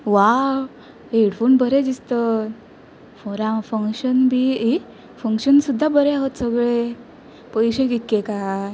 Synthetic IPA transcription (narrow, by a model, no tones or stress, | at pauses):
ʋa | eɽfuːnbʱəɾed͡ʑist̪ət̪ | foɾãfəŋkɕənbʱii | fəŋkɕənsud̪ʱːabəɾeaɦot̪səɡɭe | pəjɕeɡikːẽka